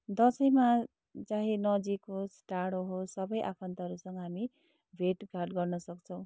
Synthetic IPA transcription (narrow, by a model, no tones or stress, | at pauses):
d̪ʌsʌjma | t͡saɦĩnʌd͡zikosʈaɽoɦosʌbʌjʔa̰pʰʌnt̪aɦʌɾusʌŋɡʌɦami | bʱeʈɡʱaʈɡʌrnʌsʌkt͡sʰʌ̃w̃